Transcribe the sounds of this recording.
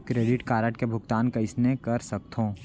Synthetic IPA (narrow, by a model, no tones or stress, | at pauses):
kɾeːɖɪʈkaːɾəʈkebʱʊk̚t̪aːnkɐɪsnekɐɾsɐk̚t̪ʰõː